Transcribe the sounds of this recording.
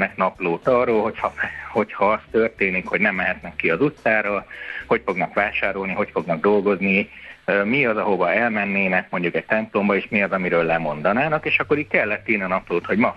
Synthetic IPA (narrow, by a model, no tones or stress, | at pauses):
nɛknɒploːt̪ɒrːoːlɦo̞chɒho̞chɒɒst̪ørt̪eːnikho̞ɟnɛmːɛɦɛt̪nɛkːiɒzut̪saːɾɒho̞cfo̞ɡnɒkʋaːʃaːɾo̞lniɦo̞cfo̞ɡnɒɡ̚d̪o̞lɡo̞zniømiɒzɒɦo̞vɒɛlmɛnːeːnɛkmo̞ɲɟukɛc̚t̪ɛmplo̞mbɒeːʃmiɒzɒmiɾøːlːɛmo̞n̪d̪ɒnaːnɒkeːʃɒkːo̞ɾiːckɛlːɛt̪ːiːniɒnɒploːt̪ho̞ɟmɒ